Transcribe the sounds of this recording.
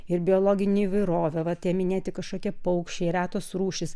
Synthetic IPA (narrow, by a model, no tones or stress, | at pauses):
ɪɾbʲɪolˠoːɡʲɪnʲeiːʋɐɪɾoːʋʲɛʋɐt̪ʲeːmʲɪnʲeːt̪ʲɪkɐʃkoːkʲɛpɐʊkʃʲt͡ʃʲɛːɾʲæːt̪oːsɾuːʃʲɪs